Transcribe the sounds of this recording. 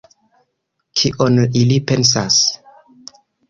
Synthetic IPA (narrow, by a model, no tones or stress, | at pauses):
kʰiʔonilipens̬as